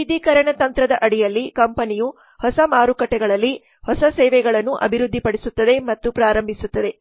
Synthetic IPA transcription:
id̪ikɐɾɐɳɐt̪ɐnt̪ɾɐd̪ɐʔɐɽijɐlːikɐmpɐniju | hɔsɐmaːɾukɐʈːɛɡɐɭɐlːi | hɔsɐsɛːʋɛɡɐɭɐnːuʔɐ̰bʱiɾud̪ʱːipɐɽesut̪ːɐd̪e̞mɐt̪ːupɾaːɾɐmbʱisut̪ːɐd̪e̞

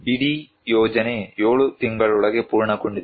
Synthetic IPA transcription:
biɽi | joːd͡ʑɐnejoːɭut̪iŋɡɐɭuɭɐɣepuːɻɳɐkːuɳɖi

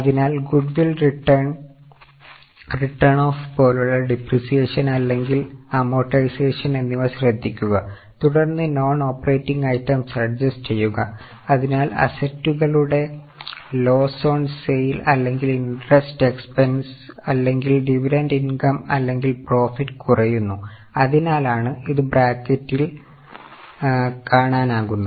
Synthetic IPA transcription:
ɐðinaːlɡuɖʋilriʈːɐrɳ | riʈːɐɳoːfpo̞ːluɭːɐɖiprisijeːʂɐnɐlːe̞ŋɡilaːmo̞ːʈːɐjseːʂɐne̞nːiʋɐɕrɐd̪ʱːikʲːuɣɐ | t̪uɽɐrnːɨno̞ːno̞ːpːɐreːtːiŋɡɐjtːɐmsɐrd͡ʑɐst͡ɕe̞jːuɣɐ | ɐðinaːlɐ̰sɐtːuɣɐɭuɽe̞ | lo̞ːso̞ːnsejlɐlːe̞ŋɡilinreste̞kspɐnsɐlːe̞ŋɡilɖiʋiɾɐndinkɐmɐ̰lːe̞ŋɡilpro̞ːfitːɨkurɐjunːu | ɐðinaːlaːɳɨiðɨbraːkːɐtːil | kaːɳaːnaːɣunːɐ

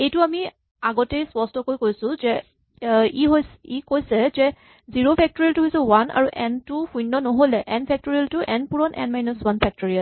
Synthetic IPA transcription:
ejtʊami | aɡɔtejspɔstɔkojkojsʊ̃zɛ | iɦojsikojsɛzɛ | ziɹopʰɛk̚toɹiltuɦojsɔwanʔa̰ɹuʔɛntuxujnːɔnoɦolɛʔɛnpʰɛk̚toɹialtuʔɛnpuɹɔnʔɛ̰nmajnɔswanpʰɛk̚toɹial

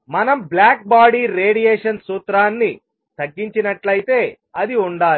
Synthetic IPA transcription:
mɐnɐmblaːk̚baːɽiːɾeːɽijɛːʂɐnsuːt̪ɾaːnːi | t̪ɐɡːiɲt͡ʃinɐʈlɐjit̪e̞ː | ɐd̪iuɳɖaːli

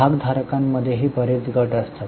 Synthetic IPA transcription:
aɡd̪ʱaɾkamːəd̪ʱːjeɦiːbəɾet͡sɡəʈəst̪ʰat̪

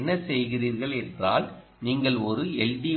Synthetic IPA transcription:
nːɐsɛjɣɪriːɾɣɐɭɛndraːl | niːŋɡɐɭɔɾɯɛɭdi

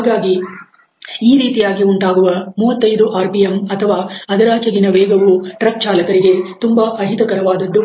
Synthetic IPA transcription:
ɦaːɡaːɡi | iːɾiːt̪ijaːɡiuɳʈaːɡuʋɐmuːʋɐt̪ːɐjd̪uʔaːɾpijemɐt̪ʰɐʋaːɐd̪ɐɾaːt͡ʃɐɡinɐʋeːɡɐʋuʈɾɐk̚t͡ʃaːlɐkɐɾiɡe̞t̪umbaːʔɐɦit̪ɐkɐɾɐʋaːd̪ɐd̪ːu

